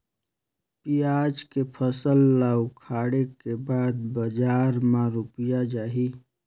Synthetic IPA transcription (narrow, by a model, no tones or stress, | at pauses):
pijaːd͡ʒkepʰəsəlːaːʊkʰaːɽekebaːd̪̚bəd͡ʒaːɾmãɾʊpjad͡ʒaːɦi